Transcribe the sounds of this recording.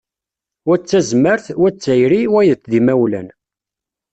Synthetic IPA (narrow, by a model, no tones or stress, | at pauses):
wæt͡sːæzməɾθwæt͡sːæjɾiwæjðət͡sðimæwlæn